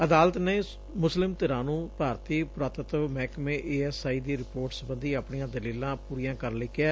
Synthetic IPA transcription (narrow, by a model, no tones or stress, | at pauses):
əd̪aːlət̪neː | mʊslɪmt̪ɪɾãːnũːpaːɾt̪iːpɾaːt̪ət̪ʋmɛːkmẽːʔeːɛːsaːiːd̪iːɾɪpoːɾʈsbə̃nd̪iːaːpɳɪjãːd̪əliːlãːpuːɾijãːkəɾlɪkjɛː